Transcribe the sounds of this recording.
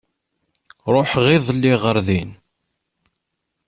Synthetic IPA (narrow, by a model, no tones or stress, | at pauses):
ɾˤoħʁiðˤlːiʁəɾðin